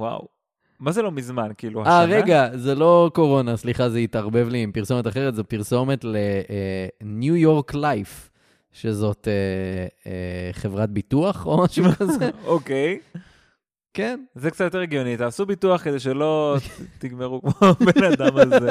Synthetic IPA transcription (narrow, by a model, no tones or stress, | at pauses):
wa̰w | mazelo̞mizmankiːluhaaʁeɡazelo̞ko̞ʁo̞nasliχazeit̪aʁbe̞vlimpiʁso̞met̪aχeʁet̪zopiʁso̞met̪le | njujo̞ʁklajf | ʃe̞zo̞t̪e | eχe̞vʁat̚bituaχomaʃumkazeokej | kenzekt͡satjot̪eeɡjonit̪aːsubituaχke̞d̪ejʃ̬elo̞t̪iɡmeʁukmobenad̪amaze